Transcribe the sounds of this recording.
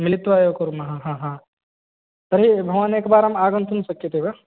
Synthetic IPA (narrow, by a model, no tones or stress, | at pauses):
mɪlɪt̪ʋaːjokuɾmɐɦãɦãːɦãː | t̪ɐɾɦibʱɐʋaneːkbaːɾɦɐmaːɡə̃nt̪ʰunsɐkːet̪ʰeba